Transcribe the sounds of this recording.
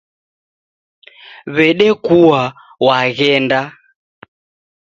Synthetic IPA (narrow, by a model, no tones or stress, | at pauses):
βɛɗɛkuwa | waɣɛnda